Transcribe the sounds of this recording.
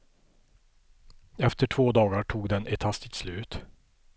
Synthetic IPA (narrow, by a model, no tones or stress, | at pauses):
ɛft̪əʈʰv̥oːd̪ɑːɡaʈʰuːɡd̪ɛnɛt̪hast̪ɪt̪slʉ̟ːt̪